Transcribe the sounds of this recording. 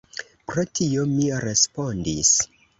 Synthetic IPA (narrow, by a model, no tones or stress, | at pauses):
pɾotʰio̞miɾe̞spo̞ndis